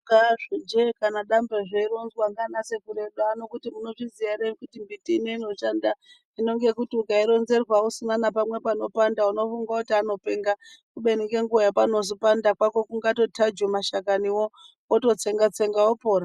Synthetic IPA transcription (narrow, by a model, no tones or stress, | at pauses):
kaʐid͡ʒekanaɗambeʐeiɾo̞nzwaŋɡanase̞kuɾe̞ɗano̞kutimuno̞ʐizijaɾeikutimbitiːneino̞ʃanda | ino̞ŋɡe̞kutiukaiɾo̞nze̞rwausinanapamwe̞pano̞pandauno̞fuŋɡakutiano̞pe̞ŋɡakuɓe̞nikeŋɡuʋajapano̞zopandakwako̞kuŋɡato̞tʰad͡ʒomaʃakaniwo̞ | oto̞t͡se̞ŋɡat͡se̞ŋɡaopo̞ːɾa